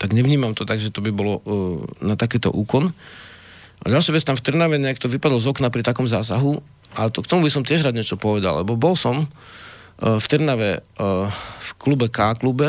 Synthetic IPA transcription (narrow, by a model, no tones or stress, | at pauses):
t̪aɡɲɛʋɲiːmamt̪ɔt̪aɡʒɛt̪ɔbibɔlɔnat̪akiːt̪ɔ̰ʔuːkɔn | ʔa̰ɟalʃɪaʋɛt͡st̪amft̪rɾnaʋɛɲɛakt̪ɔʋipad̪lɔzɔknapɾit̪akɔmzaːsaɦu | ʔat̪ɔkt̪ɔmubisɔmt̪ɪɛʒɾaːd̪ɲɪɛt͡ʃɔpɔʋɛd̪a̰llɛ̰bɔbɔlsɔm | ft̪rɾnaʋɛ | fklubɛkaːklubɛ